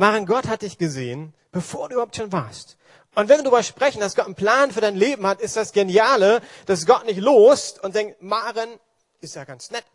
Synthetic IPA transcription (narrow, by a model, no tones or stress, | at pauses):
maːʁɪnɡɔthat̚d̥ɪçɡ̥əzḛːən | b̥əfoːɐduːybɐahʊp̚tʃoːnvaːɐst | ʔʊntvɛnviɪɐdʁːbɐʃpʁ̥ɛçn̩d̥asɡ̥ɔtn̩pl̥aːnfyːɐɾaɪnleːbm̩hatɪst̚d̥asɡ̥enjaːləd̥as̬ɡ̥ɔtnɪçtloːstʊnt̚d̥ɛŋktmaːʁɪn | ɪstjaːɡansnɛt